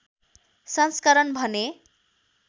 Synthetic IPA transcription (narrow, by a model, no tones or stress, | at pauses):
sʌnskʌɾʌnbʱʌne